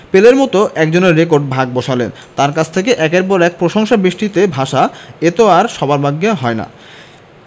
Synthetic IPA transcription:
peleɾmɔt̪oʔɛkd͡ʑoneɾːek̬oɾɖ̚bʱaɡ̚boʃalen | t̪aɾkat͡ɕʰt̪ʰekeʔɛkeɾpɔɾɛk̚pɾoʃoŋʃabɾiʃʈit̪ebʱaʃaet̪oaɾʃɔbaɾbʱaɡːeɦɔena̰

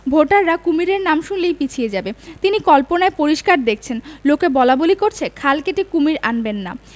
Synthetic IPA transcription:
bʱoʈaɾːakumiɾeɾnamʃunlejpit͡ɕʰijed͡ʑabet̪inikɔlponaepoɾiʃkaɾd̪ek̚ʰt͡ɕʰenlokebɔlabolikoɾt͡ɕʰekʰalkeʈikumiɾanbenːa̰

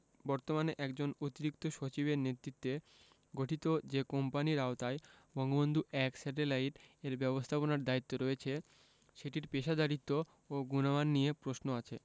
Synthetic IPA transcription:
bɔɾt̪omaneʔɛkd͡ʑonot̪iɾik̚t̪oʃot͡ɕibeɾnet̪ɾit̪ːe | ɡoʈʰit̪od͡ʑekɔmpaniɾaot̪ae | bɔŋɡobond̪ʱuʔɛksɛʈelaiʈeɾbɛbost̪ʰaponaɾd̪ait̪ːoɾoet͡ɕʰe | ʃeʈiɾpeʃad̪aɾit̪ːo | oɡunamanːiepɾosnoat͡ɕʰe

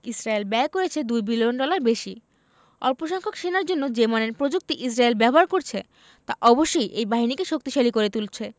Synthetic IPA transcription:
isɾaelbɛekoɾet͡ɕʰed̪ujbilionɖɔlaɾbeʃi | ɔɾpoʃɔŋkʰokʃenaɾd͡ʑonːod͡ʑemaneɾpɾod͡ʑuk̚t̪iʔisɾaelbɛboɦaɾkoɾt͡ɕʰe | t̪aʔɔboʃːojʔejbaɦinikeʃok̚t̪iʃalikoɾet̪ult͡ɕʰe

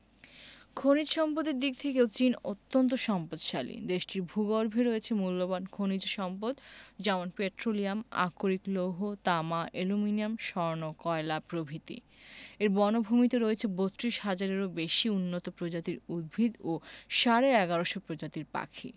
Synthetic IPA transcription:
kʰonid͡ʑʃɔmpot̪eɾd̪ik̚t̪ʰekewt͡ɕinot̪ːont̪oʃɔmpod̪ʃalḭd̪eʃʈiɾbʱuɡoɾbʱeɾoet͡ɕʰemulːobankʰonid͡ʑʃɔmpod̪d͡ʑɛmonpeʈɾoliama̰koɾikloɦot̪amaʔeluminiamʃɔɾnokɔelapɾobʱit̪ḭ | eɾbɔnobʱumit̪eɾoet͡ɕʰebot̪ːɾiʃɦad͡ʑaɾeɾobeʃiunːot̪opɾod͡ʑat̪iɾud̪̚bʱid̪oʃaɾeɛɡaɾoʃopɾod͡ʑat̪iɾpa̰kʰḭ

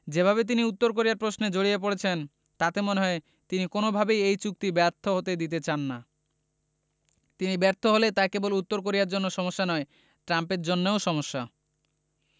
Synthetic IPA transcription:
d͡ʑebʱaβet̪̬iniut̪ːoɾk̬oɾijaɾpɾosned͡ʑoɽijep̬oɽet͡ɕʰen | t̪at̪emoneɦɔe | t̪inikonobʱabejejt͡ɕuk̚t̪ibɛɾt̪ʰoɦot̪ed̪it̪et͡ɕanːa | t̪inibɛɾt̪ʰoɦolet̪akebolut̪ːoɾk̬oɾiaɾd͡ʑonːoʃɔmoʃːanɔe | ʈɾampeɾd͡ʑonːeoʃɔmoʃːa

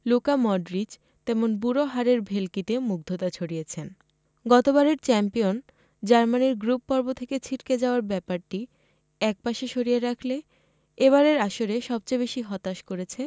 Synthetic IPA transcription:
lukamɔɖɾid͡ʑ | t̪ɛmonbuɾoɦaɾeɾbʱelkit̪emuɡ̚d̪ʱot̪at͡ɕʰoɽijet͡ɕʰen | ɡɔt̪obaɾeɾt͡ɕɛmpijon | d͡ʑaɾmaniɾɡɾupːɔɾbot̪ʰeket͡ɕʰiʈked͡ʑaoaɾbɛpaɾʈi | ɛk̚paʃeʃoɾijeɾakʰle | eβaɾeɾaʃoɾeʃɔb̚t͡ɕebeʃiɦɔt̪aʃkoɾet͡ɕʰe

